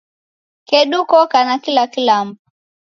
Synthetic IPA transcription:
kɛɗukɔkanakilakilam̩pu

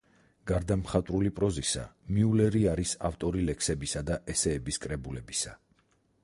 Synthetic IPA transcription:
ɡ̥aɾd̪amχat̪ʼɾulipʼɾɔzisa̰miulɛɾiaɾisa̰ft̪ʼɔɾilɛksɛbisad̪aʔɛsɛːbiskʼɾɛbulɛbisa̰

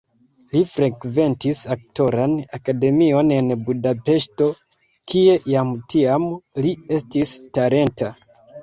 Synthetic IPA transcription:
lifɾekve̞ntisak̚to̞ɾanakade̞mio̞ne̞nbudape̞ʃto̞ | kie̞jamtiamlie̞stistaɾe̞nta

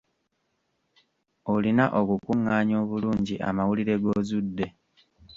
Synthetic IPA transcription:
olinaʔo̞kukuŋːaːɲo̞ːβuluːɲɟiʔa̰mawuliɾe̞ɡo̞ːzudːe̞

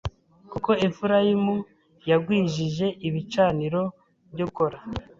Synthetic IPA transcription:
kuko̞efuɾajimu | jaɡwiːʒiʒe̞ʔiβit͡ʃaːniɾo̞ | βɟoko̞ɾa

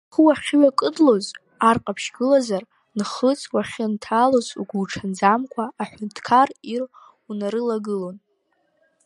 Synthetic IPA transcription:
χwaχʲɥakʼɨdlo̞z | arqʼapʰʃɡɨlazar | nχət͡sʼwaχʲɪntʰaːlozṵɡʷulʈ͡ʂʰand͡zamkʷʰaːħʷᶣʊntʰkʰarir | unaɾɨlaɡɨlo̞n

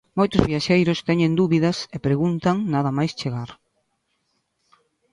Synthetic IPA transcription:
mojt̪ʊzβiaʃejɾʊst̪ɛɲẽnd̪uβiðɐsepɾeɣunt̪aŋnaðɐmajst͡ʃeɣaɾ

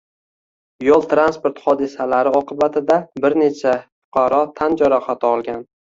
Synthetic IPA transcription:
jolˠt̪ɾanspoɾt̪χɒd̪ɪsalaɾɪɒqʰɨbat̪ʰɪd̪abɪɾne̞t͡ʃʰafʊ̥qʰɑɾɒt̪ʰand͡ʒaɾɒχat̪ʰɪɒlˠɡʲan

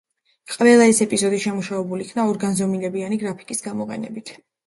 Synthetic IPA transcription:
qʼvɛlˠaɛsɛpʼizɔd̪iʃɛmuʃavɛbulikʰnaɔɾɡanzɔmilɛbianiɡɾapʰi̥kʼisɡamɔqʼɛ̰nɛ̰bit̪ʰ

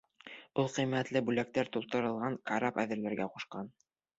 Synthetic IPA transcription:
ulˠqɤmːæt̪lɘbʉlæk̚t̪æɾt̪ulˠt̪ɤ̆ɾɤ̆lˠʁɑŋkaɾɑpæ̰ðɘ̆ɾlæɾɡæquʃqɑn

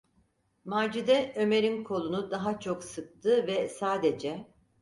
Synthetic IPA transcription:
maːd͡ʒid̪ɛʔø̞meɾinkʰo̞lˠunud̪aɦat͡ʃʰoksɯk̚t̪ʰɯvɛsaːd̪ed͡ʒɛ

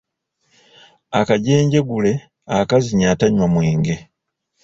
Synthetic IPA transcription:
akaɟe̞ːɲɟe̞ɡule̞ | akaziɲataɲwamwiːŋɡe̞

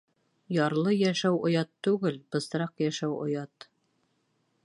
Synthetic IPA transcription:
jɑɾlˠɤjæʃæwŏjɑt̪ːʉɡɘlbɤ̆sɾɑqjæʃæwŏ̰jɑt̪

